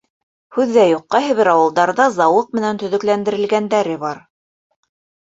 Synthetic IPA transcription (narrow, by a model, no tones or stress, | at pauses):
hʉðːæjuqːɑɦɘ̆βɘɾɑwɤ̆lˠd̪ɑɾðɑzɑwɤq̚mɘ̆nænt̪ɵ̆ðɵ̆klænd̪ɘ̆ɾɘ̆lɡænd̪æɾɘbɑɾ